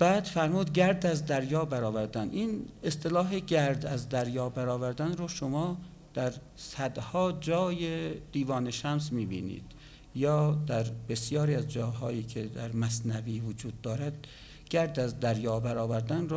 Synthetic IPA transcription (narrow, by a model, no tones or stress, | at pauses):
b̥æːd̪̥fæɾmuːd̪ɡæɾd̪æzd̪æɾjɒːbæɾɒːvæɾd̪æniːnest̪elɒːɦeɡæɾd̪æzd̪æɾjɒːbæɾɒːvæɾd̪ænɾoʃomɒː | d̪̥æɾ | sæd̪hɒːd͡ʒɒːjed̪̥iːvɒːneʃæmsmiːbḭːnḭːd̪̥ | jɒːd̪æɾbe̞sjɒːɾiːæzd͡ʒɒːɦɒːjiːkʰed̪æɾmæsnæviːvod͡ʒuːd̪ːɒːɾæd̪̚ | ɡ̥æɾd̪æzd̪æɾjɒːbæɾɒːvæɾd̪ænr